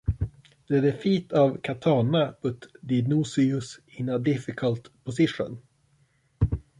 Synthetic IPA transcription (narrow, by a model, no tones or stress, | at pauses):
d̪̥ɛd̪ɛfiːt̪avkʰat̪ʰɑːnapʰɵt̪d̪ɪnusɪʉs | ɪnːad̪ɪfɪkʰəlt̪pʰɔsɪʂə̰n